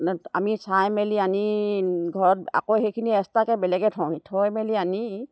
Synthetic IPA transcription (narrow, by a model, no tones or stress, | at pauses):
amisajmɛlianiɡʱɔɹɔt̚a̰koxejkʰiniɛstakɛbɛlɛɡɛtʰɔ̃ĩtʰɔjmɛliani